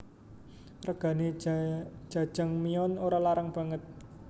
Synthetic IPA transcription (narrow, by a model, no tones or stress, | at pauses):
rəɡ̥ä̤ne̥ | d͡ʒ̥ä̤̥ʒ̥əŋmiɔnoɾalaɾaŋb̥ä̤ŋət̪̚